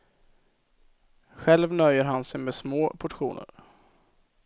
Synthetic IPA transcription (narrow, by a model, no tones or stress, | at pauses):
ɧɛlvnœjːəɾɦansɛjmɛsmoːpʰʊʈɧṵːnə̰ɾ